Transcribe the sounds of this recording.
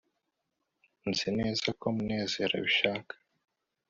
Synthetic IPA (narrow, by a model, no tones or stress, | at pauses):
nzine̞ːzako̞mune̞ːze̞ːɾa̰βiʃaːkḁ